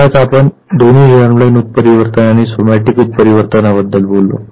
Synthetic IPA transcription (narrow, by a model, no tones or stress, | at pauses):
at͡sapəɳ | d̪oniːd͡ʑəɾmlənut̪̚pəɾiʋəɾt̪ənaɽ̃isomaʈikut̪̚pəɾiʋəɾt̪ənabəd̪ːəlbʱolːo̰